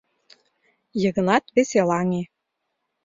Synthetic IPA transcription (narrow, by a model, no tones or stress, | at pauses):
jɤ̆ɣɤ̆nɑt̪βeselɑŋe